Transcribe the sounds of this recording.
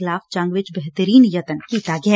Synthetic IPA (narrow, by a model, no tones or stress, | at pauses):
ɪlaːft͡ʃãŋɡʋɪt͡ʃbɛɦt̪əɾiːnjɐt̪ənkit̪aːɡɛ